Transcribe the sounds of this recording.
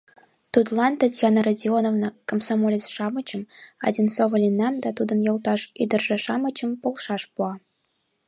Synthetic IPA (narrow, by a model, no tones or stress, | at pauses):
t̪ut̪lˠɑnt̪ə̆tʲjɑnɤradʲionovnɤkomsɑmolʲet͡sʃɑmɤ̆t͡ɕɤ̆mɑ̰d̪ʲinsovɤ̆lʲinːɑmd̪æt̪ud̪ɤ̆njŏlˠt̪ɑʃyd̪ə̆rʒɘ̆ʃɑmɤ̆t͡ɕə̆mpolˠʃɑʃpuɑ